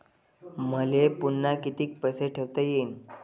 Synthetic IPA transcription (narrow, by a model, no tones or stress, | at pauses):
m̤əlepunːakit̪iːk̚pəseʈʰeɾt̪əjen